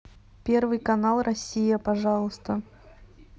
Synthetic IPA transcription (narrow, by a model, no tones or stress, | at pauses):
pʲervɨjkɐnalˠrʔɐsʲijəpɐʐɑlˠəst̪ə